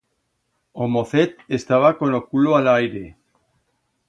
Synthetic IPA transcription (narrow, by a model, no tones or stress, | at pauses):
omoθet̪est̪aβakonokuloalajɾe